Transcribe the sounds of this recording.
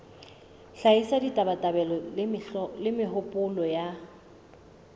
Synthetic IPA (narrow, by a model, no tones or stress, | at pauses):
ɬaisaditʼabatʼabɛlɔllɪmɪɦʊpʼʊlɔja